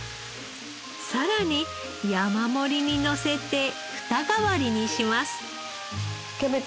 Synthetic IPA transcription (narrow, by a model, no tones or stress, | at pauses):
saɾaɲ̟i | jamamo̞ɾʲiɲ̟ino̞se̞t̪e̞ | ɸɯ̟̥t̪aɡaβaɾʲiɲ̟iɕimasɨ̥ | kebe